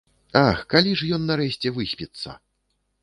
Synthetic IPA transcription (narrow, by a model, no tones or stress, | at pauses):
axkalʲiʐjɔnːaɾɛɕʲt͡sʲɛvɨsʲpʲit̪sːɐ̰